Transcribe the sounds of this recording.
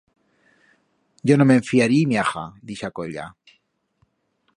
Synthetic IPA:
ɟ͡ʝonomeɱfiaɾimjaxa̰d̪iʃakoʎa̰

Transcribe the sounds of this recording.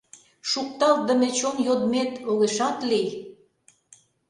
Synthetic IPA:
ʃuk̚t̪ɑlt̪̚d̪əmet͡ɕonjod̪met̪oɣeʃɑt̪lej

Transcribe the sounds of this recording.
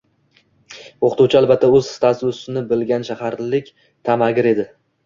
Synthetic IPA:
oqʰɨt̪uwt͡ʃʰɪalˠbat̪ʰːaɵz̥st̪ʰaszʊsɪnɪbɪlɡʲanʃahaɾlɪkʲ | t̪ʰamaɡʲɪɾe̞d̪ɪ

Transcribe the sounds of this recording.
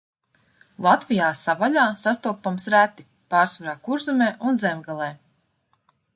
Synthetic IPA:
lˠat̪vijaːsavaʎʲaːsast̪uɔpamsɾæt̪i | paːɾsvaɾaːkuɾzɛmɛːʔunzɛmʲɡalˠɛː

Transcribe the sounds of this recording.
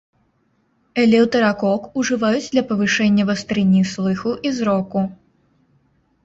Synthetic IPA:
ɛlʲɛwt̪ɐɾakɔkuʐɨvajud͡zʲd̪lʲɐpɐvɨʂɛnʲːɐvɐst̪ɾɨnʲːislˠɨxuʔizɾɔku

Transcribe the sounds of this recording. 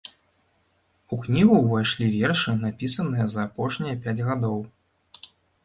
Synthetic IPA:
uknʲiɣuvajʂlʲivʲɛrʂɨnapʲisɐnɨjɐzɐːpɔʂnʲijɐpʲad͡zʲɣad̪ɔw

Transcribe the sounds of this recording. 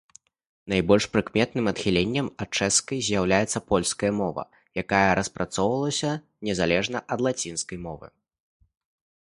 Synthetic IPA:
najbɔlʲʂpɾɨkmʲɛt̪nɨmɐt̪xʲilʲenʲːɐmɐt̪̚t͡ʂɛskɐjzʲjawlʲajɛt̪sːɐpɔlʲskɐjɐmɔvɐ̰ | jakajɐɾɐspɾat̪sɔwvɐlˠɐsʲɐ | nʲɛzalʲɛʐnɐʔɐd̪lˠat͡sʲinskɐjmɔvɨ̰

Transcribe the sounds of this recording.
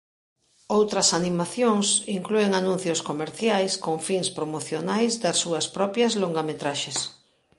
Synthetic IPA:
owt̪ɾɐsanimaθjoŋsiŋklueŋanũnθjoskomeɾθjajskoŋfiŋspɾomoθjonajzd̪asːuɐspɾɔpjɐzloŋɡamet̪ɾaʃes

